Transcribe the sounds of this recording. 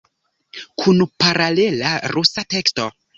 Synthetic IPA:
kʰunpaɾale̞laɾusate̞ksto̞

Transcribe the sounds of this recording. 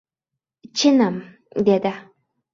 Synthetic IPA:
t͡ɕʰinam | d̪ed̪a

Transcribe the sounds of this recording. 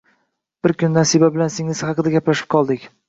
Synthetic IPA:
b̥ɪɾkʰʲʊnd̪ansɪbabɪlansɪŋɪz̥hɑqʰɨd̪aɡʲaplaʃɪ̥p̚qʰɒlˠd̪ɪkʲ

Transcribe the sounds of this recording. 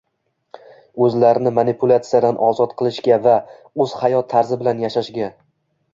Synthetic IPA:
ɵzlaɾɪnɪmanɪpʰʊlʲˠat̪sɨjad̪anʔɒzɒt̪qʰɨlˠɪʃɡʲava | ɵz̥hajɒt̪ʰːaɾzɪbɪlanjaʃaʃɡʲa

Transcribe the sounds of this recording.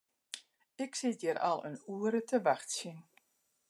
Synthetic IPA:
ɪksɪtjɪɾʔɑ̰lˠə̰nuəɾətəʋaxtsin

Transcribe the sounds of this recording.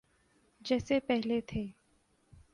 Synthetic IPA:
d͡ʒɛːsepɛɦlet̪ʰeː

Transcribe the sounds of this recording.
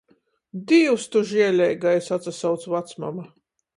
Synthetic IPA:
d̪iwst̪uʒiɛlʲɛjɡajsat̪sasawt̪svat̪sma̰ma

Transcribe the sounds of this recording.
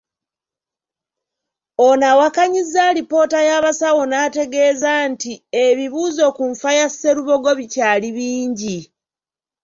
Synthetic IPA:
onawakaɲizːaɾipo̞ːtajaβasawo̞naːte̞ɡe̞ːzantieβiβuːzo̞kuɱfajase̞ɾuβo̞ɡo̞βicaːliβiːɲɟi

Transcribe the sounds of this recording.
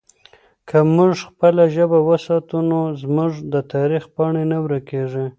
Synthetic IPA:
kʰamuʐxpəlaʒəbawəsɑt̪unozmuʐd̪ət̪ɑɾixpɑɳenawɾakeʐi

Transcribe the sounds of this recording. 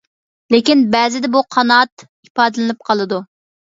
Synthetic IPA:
lekʲinbɛzɪd̪ɛbuqʰɑnɑt̪ | ipɑːd̪ɨlɨnɪp̚qʰɑlˠɨd̪u

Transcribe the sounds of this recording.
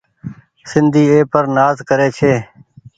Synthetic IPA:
sɪnd̪ʱiːeːpəɾnaːzkəɾeːt͡ʃʰeː

